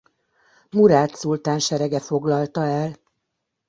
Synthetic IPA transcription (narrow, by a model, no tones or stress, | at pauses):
muɾaːt̪sult̪aːnʃɛɾɛɡɛfo̞ɡlɒlt̪ɒɛl